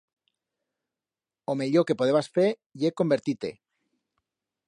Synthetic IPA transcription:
ome̞ʎoke̞poðeβasfe | jeko̞mbeɾt̪it̪e̞̰

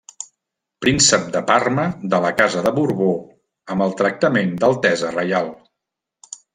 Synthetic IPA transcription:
pɾinsəp̚d̪əparməd̪ələkazəðəβuɾβo | əmbəlˠt̪ɾək̚t̪əmend̪əlˠt̪ɛzərəjalˠ

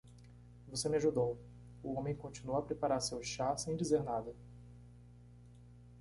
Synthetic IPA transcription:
vosemɪaʒud̪ow | ʊõmẽj̃kõnt͡ʃĩnuwapɾepaɾaɾsewʃasẽj̃d͡ʒizeɾnad̪ɐ

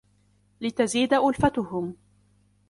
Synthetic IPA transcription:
lɪt̪aziːd̪aʔʊlfat̪ʊhʊm

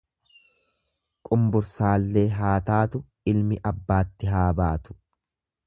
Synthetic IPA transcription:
kʼʊmbʊɾsaːlːe̞ːɦaːt̪aːt̪ʊ | ɪlmɪʔɐbːaːt̪ːɪɦaːbaːt̪ʊ̥

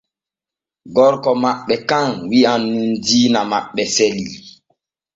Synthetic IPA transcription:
ɡɔɾkɔmaɓɛkãŋwianːundinamaɓɛsɛli

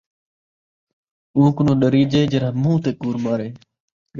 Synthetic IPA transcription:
ũːkʊnõːɗəɾiːd͡ʒeːd͡ʒəɾaːmũːt̪eːkuːɾmaːɾeː

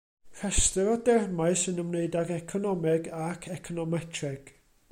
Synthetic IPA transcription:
r̥ʰɛstəɾɔdɛrmaɨsɨnəmneɨdaɡɛkʰɔnɔmɪɡakʰɛkʰɔnɔmɛtʰrɛɡ̥

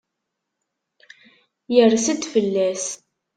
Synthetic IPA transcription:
jərsəd̪fəlːæs

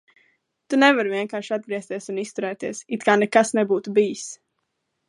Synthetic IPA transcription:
t̪unɛvaɾviɛŋkaːɾʃad̪̚ɡɾiɛst̪iɛsunist̪uɾɛːt̪iɛsit̪kaːnɛkasnɛbuːt̪ubijis

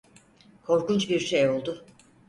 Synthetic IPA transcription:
kʰo̞ɾkunt͡ʃbiɾʃejo̞lˠd̪ʊ

